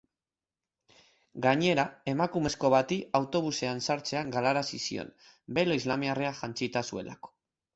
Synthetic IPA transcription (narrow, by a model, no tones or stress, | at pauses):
ɡaɲe̞ɾae̞makume̞sko̞βat̪iawt̪o̞β̞use̞ansaɾt͡se̞aŋɡalaɾasisḭo̞̰n | be̞loizlamiareaʝant͡sit̪asue̞̰la̰ko̥